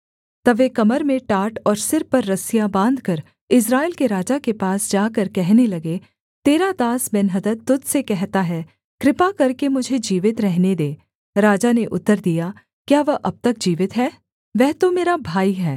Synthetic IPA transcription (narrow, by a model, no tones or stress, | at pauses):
t̪ɐʋekɐməɾmẽʈaːʈɔːɾsɪɾpɐɾːɐsɪjabãːnd̪ʱkɐɾ | ɪs̬ɾaːɪlkeɾaːd͡ʒakepaːsd͡ʒaːkɐɾkɛɦnelɐɡe | t̪eːɾad̪aːsbɛnɦəd̪ət̪ːʊd̪ʱsekɛɦt̪aɦɛː | kɾɪpakɐɾkemʊd͡ʒʱed͡ʒiːʋɪt̪ɾɛɦned̪eː | ɾaːd͡ʒaneʔʊt̪ːəɾd̪ija | kjaːʋɐʔɐb̚t̪ɐk̚d͡ʒiːʋɪt̪ɦɛː | ʋɛɦt̪omeːɾabʱaːiɦɛː